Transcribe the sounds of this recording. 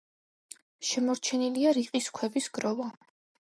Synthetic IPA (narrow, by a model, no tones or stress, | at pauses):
ʃɛmɔɾt͡ʃʰɛniliaɾiqʼiskʰwɛvisɡɾɔva